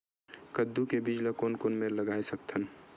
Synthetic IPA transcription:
kəd̪ːukebid͡ʒləkonkonmeləɡaesək̚t̪ʰən

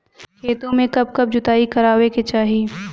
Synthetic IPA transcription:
kʰeːt̪õmẽkɐb̚kɐb̚d͡ʒʊt̪aːikɐɾaːweket͡ʃaːɦiː

